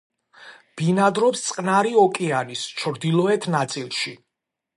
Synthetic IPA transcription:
b̥inad̪ɾɔpst̪sʼqʼnaɾiɔkʼɛanist͡ʃʰɾd̪ilˠɔɛt̪ʰnat̪sʼilˠʃi

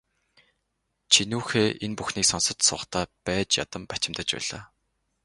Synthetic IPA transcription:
t͡ɕʰinuːxeːʔenpuxniːksɔnsə̆t̪sʊːχt̪ʰaːpæːt͡ɕja̰t̪ə̆mpḁt͡ɕɪ̆mt̪ə̆t͡ɕpæ̰ːɮa̰ː

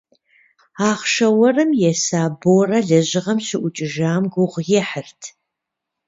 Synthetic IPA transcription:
aːχʃɐwɐrɨmjɛsaːboːrɐɮɐʑɪʁɐmɕɪʔʷʊt͡ʃʼɪʒaːmɡʷʊʁʷjɛħərtʰ

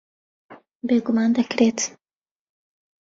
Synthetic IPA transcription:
beːɡʊmɑːnd̪ɐkɾeːt̪

